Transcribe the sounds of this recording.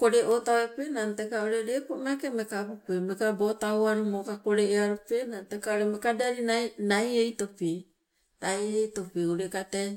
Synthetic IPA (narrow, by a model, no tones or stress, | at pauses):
koɾeʔotawepenantekaoɾeɾekoʔnakemekabopemekabotaoaɾomokakoɾeeaɾopenantekaoɾemekadaɾinanajejtope | ajejto̞peoɾekate